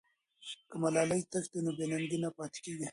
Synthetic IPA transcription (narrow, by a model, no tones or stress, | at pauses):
kəmalɑːlajt̪əkt̪enobenaŋɡinapɑːt̪e̥keɡi